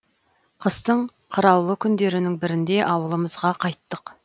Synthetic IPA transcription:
qʰəzt̪əɴ | qʰəɾɑwlˠəkʲʰʏnd̪e̞ɾɪnɪŋbɪɾɪnd̪e̞ʔɑwəlˠəməzʁɑqʰɑjt̪ːəq

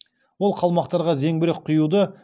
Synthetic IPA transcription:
wo̞lˠqʰɑlˠmɑqt̪ɑɾʁɑze̞ŋbɪɾɪk̚qʰːʊjud̪ə

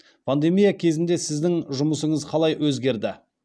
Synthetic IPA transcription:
pʰand̪e̞mijakʲʰe̞zɪnd̪e̞sɪzd̪ɪŋʒʊməsəɴəzqʰɑlˠɑjwɵzɡʲe̞ɾd̪ɪ

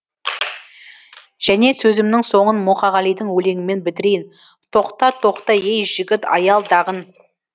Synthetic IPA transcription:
ʒ̥æne̞sɵzɪmnɪŋso̞ɴənmʊχɑʁɑlijd̪ɪŋwɵle̞ŋɪme̞nbɪt̪ɪɾejɪn | t̪ʰo̞qt̪ɑt̪ʰo̞qt̪ɑjejʒ̥ɪɡʲɪt̪ɑ̰jɑlˠd̪ɑʁən

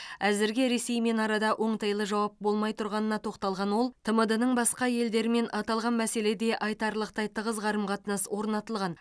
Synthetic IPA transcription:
æzɪɾɡʲeɾe̞sejme̞nɑɾɑd̪ɑʔo̞ɴt̪ʰɑjlˠəʒɑwɑp̚bo̞lˠmɑjt̪ʰʊɾʁɑnənɑt̪ʰo̞qt̪ɑlˠʁɑnwo̞lˠt̪ʰəməd̪ənəɴbɑsqɑje̞ld̪e̞ɾɪme̞nʔɑt̪ɑlˠʁɑnmæse̞le̞d̪e̞ʔɑjt̪ɑɾlˠəq̚t̪ɑjt̪ʰəʁəzʁɑɾəmqʰɑt̪ənəswo̞ɾnɑt̪əlˠʁɑn

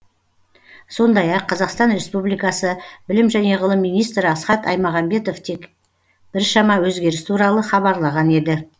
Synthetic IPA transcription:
so̞nd̪ɑjɑqʰːɑzɑqst̪ɑnɾe̞spublijkɑsəbɪlɪmʒæne̞ʁəlˠəmːijnijst̪ɾɪɑsχɑt̪ɑ̰jmɑʁɑmbe̞t̪o̞vt̪ʰe̞k | b̥ɪɾʃɑmɑwɵzɡʲe̞ɾɪst̪ʰuɾɑlˠəχɑbɑɾlˠɑʁɑne̞d̪ɪ

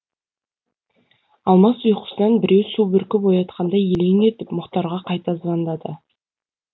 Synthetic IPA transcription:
ɑlˠmɑsujqə̥sənɑnbɪɾe̞wsubɪɾkʲɪpojɑt̪̚qʰɑnd̪ɑjeleŋet̪ɪpmʊqt̪ɑɾʁɑqʰɑjt̪ɑzvɑnd̪ɑd̪ə

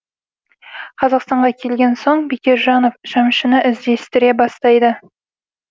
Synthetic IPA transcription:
qʰɑzɑqst̪ɑɴʁɑkʲʰe̞lɡʲe̞nso̞ɴbekʲe̞ɾʒɑno̞fʒ̥ɑmʃənəʔɪzd̪e̞st̪ɪɾe̞bɑst̪ɑjd̪ə

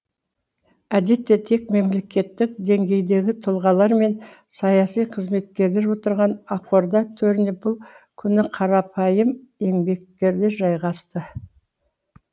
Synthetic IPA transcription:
æd̪e̞t̪ːe̞t̪ʰe̞kme̞mle̞kʲe̞t̪ːɪk̚d̪e̞ŋɡʲe̞jd̪e̞ɡʲɪt̪ʰʊlˠʁɑlˠɑɾme̞n | sɑjɑsijqʰəzme̞t̪kʲe̞ɾle̞ɾwo̞t̪əɾʁɑnɑqo̞ɾd̪ɑt̪ʰɵɾɪnep̚bʊlˠkʲʰʏnɪqʰɑɾɑpʰɑjəme̞mbe̞k̚t̪e̞ɾd̪eʒɑjʁɑst̪ə

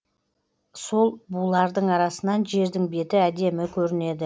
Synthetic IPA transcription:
so̞lˠbulˠɑɾd̪əɴɑɾɑsənɑnʒe̞ɾd̪ɪŋbe̞t̪ɪæd̪e̞mɪkʲʰɵɾɪne̞d̪ɪ

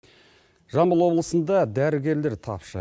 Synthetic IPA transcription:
ʒɑmbəlˠwo̞blˠəsənd̪ɑd̪æɾɪɡʲe̞ɾle̞ɾt̪ʰɑ̰pʃə̰

